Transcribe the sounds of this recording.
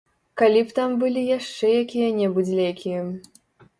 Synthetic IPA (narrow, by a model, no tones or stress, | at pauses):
kalʲipt̪ambɨlʲijaʂt͡ʂɛjakʲijɐnʲɛbɨd͡zʲlʲɛjkʲijɐ